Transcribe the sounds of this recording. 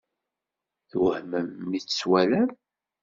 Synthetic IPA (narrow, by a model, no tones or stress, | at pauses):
θwəhməmːit͡sːə̥swælæn